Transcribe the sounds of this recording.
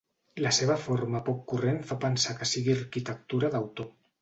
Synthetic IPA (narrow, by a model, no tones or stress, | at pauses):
laseβ̞afoɾmapokːurenfapansakasiɣiarkit̪ek̚t̪uɾaðawt̪o